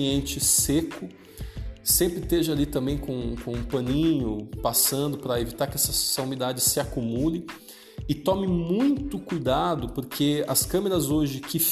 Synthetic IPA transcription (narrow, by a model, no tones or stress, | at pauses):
iẽnt͡ʃɪsekʊ | sẽmpɾɪt̪eʒalit̪ɐ̃mbẽj̃kõkõpɐ̃nĩɲʊpasɐ̃nd̪ʊpɾɐevit̪aɾkɪɛsɐsɐũnid̪ad͡ʒɪsɪakumulɪ | ɪt̪ɔ̃mɪmũj̃t̪ʊkujd̪ad̪ʊpoɾkʰeɐ̰skɐ̃meɾɐzoʒɪkɪf